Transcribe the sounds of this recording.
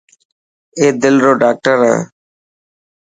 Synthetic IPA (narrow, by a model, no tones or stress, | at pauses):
eːd̪ɪlɾoːɖaːk̚ʈəɾɛ̰̃ː